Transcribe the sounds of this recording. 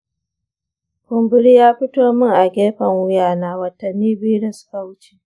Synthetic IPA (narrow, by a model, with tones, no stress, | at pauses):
kʊ˨mbʊ˦ɽi˦jaː˦ɸɪ˦toː˦mɪ˦ŋʔa˨ɡʲeː˦ɸɐ˨ŋwʊ˦jaː˦˨naː˦wɐ˨tːɐ˨nːiː˦biː˦ɽɐ˨sʊ̥˦ka˨wʊ˦t͡ʃe˨